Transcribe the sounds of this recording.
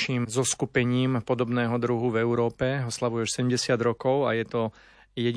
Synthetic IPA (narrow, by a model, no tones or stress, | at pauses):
ʃiːmzɔskupɛɲiːmpɔd̪ɔbnɛːɦɔd̪ɾuɦuvɛʊɾɔːpɛɔslaʋujɛʃsɛɟɛmɟɛsɪad̪ɾɔkɔʊajɛt̪ɔ | jɛɟ